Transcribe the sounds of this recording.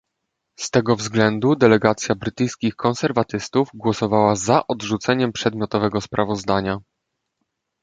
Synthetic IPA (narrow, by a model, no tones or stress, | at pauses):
st̪ɛɡɔvzɡlɛnd̪ud̪ɛlɛɡat̪sʲjabɾɘt̪ɘjskʲixkʰɔ̃nsɛɾvat̪ɘst̪uvɡwɔsɔvawazaʔɔd̪ʐut̪sɛɲɛmpʂɛd̪mʲjɔt̪ɔvɛɡɔspɾʔavɔzd̪aɲa